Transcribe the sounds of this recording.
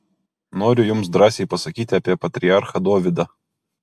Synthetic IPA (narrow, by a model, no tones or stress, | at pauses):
noːɾʲʊjʊmsd̪ɾɑːsʲɛɪpɐsɐkʲiːt̪ʲɪɐpʲiɛpɐt̪ʲɾʲɪɑɾxɐd̪oːʋʲɪd̪ɐ